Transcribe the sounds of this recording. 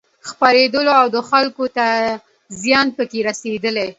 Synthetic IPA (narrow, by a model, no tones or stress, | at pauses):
xpaɾed̪əloawd̪əxalkot̪a | zjɑnpəkeɾased̪əle